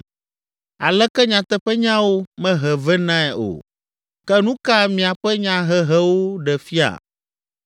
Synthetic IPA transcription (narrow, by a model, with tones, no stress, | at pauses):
a̰˨lɛ˦kɛ˦ɲã˨t̪ɛ˦ɸɛ˦ɲã˦wo˦mɛ̃˦ɦɛ˨vɛ˦nã˦ɛ˨ʔo̰˨ | kɛ˦nũ˦ka˦mĩ˨a˨ɸɛ˦ɲã˨ɦɛ˨ɦɛ˦wo˦ɖɛ˨fi˦a̰˨